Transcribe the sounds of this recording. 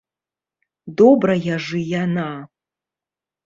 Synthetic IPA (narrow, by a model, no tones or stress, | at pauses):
dobrajaʐɨjana